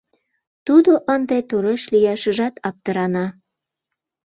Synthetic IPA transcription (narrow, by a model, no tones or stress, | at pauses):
t̪ud̪oʔənd̪et̪uɾeʃlijɑʃə̆ʒɑt̪ɑp̚t̪əɾɑnɑ